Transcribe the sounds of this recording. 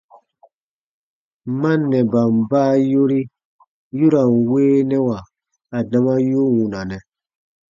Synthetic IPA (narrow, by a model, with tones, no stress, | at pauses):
mã˦nɛ˨ba˨mbaː˦jo˦ɾi˦ | ju˦ɾa˨nweː˦nɛ˦wa˨ | a˨da˦ma˦jo˦wũ˨na˨nɛ̃˨